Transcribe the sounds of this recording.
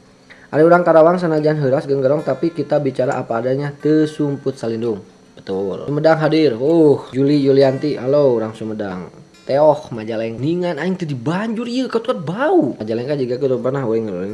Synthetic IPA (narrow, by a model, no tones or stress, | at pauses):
ʔa̰dauɾaŋkaɾawaŋs̬anad͡ʒaanɦəɾasɡəŋɡəɾɔŋt̪apikit̪abit͡ʃaɾa̰ʔapaːdaɲat̪əsumpʊt̪̚salindʊŋ | bət̪ʊləmədaŋɦadɪruhd͡ʒulijuliant̪iha̰louɾaŋsəməda̰ŋ | t̪ɛɔhmad͡ʒalɛŋniŋanaiŋt̪ədibaɲd͡ʒʊriəkat̪kat̪̚baumad͡ʒalɛŋkad͡ʒuɡakit̪əpərnaɦwɛŋŋ